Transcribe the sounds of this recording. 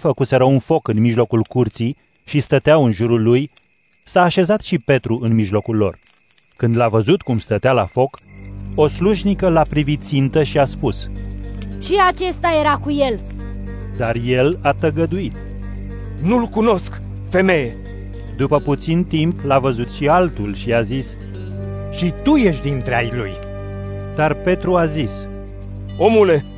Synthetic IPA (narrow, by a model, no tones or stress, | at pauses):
fəkuse̞ɾəunfo̞kɨnmiʒlo̞kulkurt̪si | ʃist̪ət̪eaɨnʒuɾulːuj | saːʃe̞zat̪ʃipe̞t̪ɾuʔɨnmiʒlo̞kulːo̞̰r | kɨnd̪lavəzut̪kumst̪ət̪eala̰fo̞ko̞sluʒnikəlapɾivit̪̚t̪sint̪əʃiaspus | ʃiat͡ʃe̞st̪aje̞ɾakuje̞l | d̪arjelat̪əɡəd̪uit̪ | nulkuno̞sk | fe̞me̞je | d̪upəput̪sint̪implavəzut̪ʃialt̪ulʃiazis | ʃit̪uje̞ʃd̪int̪ɾea̰jlṵj | d̪̥arpe̞t̪ɾuazis | o̞mule